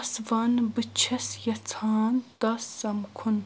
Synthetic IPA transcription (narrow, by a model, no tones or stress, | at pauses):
svɐnbɨt͡ʃʰɐsjɐt͡sʰaːnt̪ɐsːɐmkʰʊn